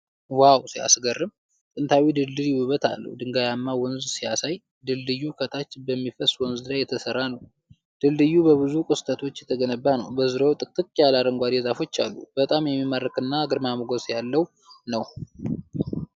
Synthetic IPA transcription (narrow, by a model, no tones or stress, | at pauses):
wawsia̰sɡərːɨm | t̪ʼɨnt̪ʰawid̪ɨld̪ɨljɪwuβət̪ʰa̰lːə̰hd̪ɨŋɡajamːawɔnzsijasaj | d̪ɨldɨjːukʰət̪ʰat͡ʃːbəmːifəswɔnzɨlajɛt̪ʰəsərːanəw | d̪̥ɨlːɨjːubəβɨzukʼɨst̪ʰʼət̪ʰo̞t͡ʃːjɛt̪ʰəɡənəbːanəwbəzɨɾowt̪ʼɨkʼt̪ʼɨkʼjalaɾəŋɡʷad̪ezafo̞t͡ʃːa̰lːṵb̥ət̪ʼamjɛmːimərːəkɨnːaɡɨɾmamɨɡosjalːəw | nəw